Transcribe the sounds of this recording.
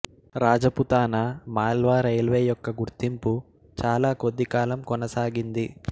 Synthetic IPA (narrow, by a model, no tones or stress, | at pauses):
ɾaːd͡ʒɐput̪aːnɐmaːlʋaːɾɐjlʋeːjɔkːɐɡuɾt̪impu | t͡ʃaːlaːko̞d̪ːikaːlɐmkɔnɐsaːɡind̪i